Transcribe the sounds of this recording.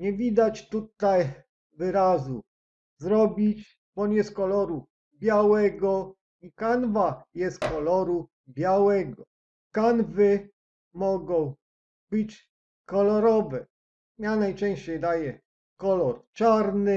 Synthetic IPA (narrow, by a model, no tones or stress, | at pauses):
ɲɛvʲid̪at͡ɕt̪ut̪aj | vɘɾazṵ | zɾɔbʲit͡ɕ | bɔɲɛst̪̚kɔlɔɾu | bʲjawɛɡɔ | ikanvajɛst̪kɔlɔɾu | bʲjawɛɡɔ | kanvɘ | mɔɡɔ̃w̃ | bɘt͡ɕ | kɔlɔɾɔvɛ | janajt͡ʂɛ̃w̃ɕt͡ɕejd̪ajɛ | kɔlɔɾt͡ʂaɾnɘ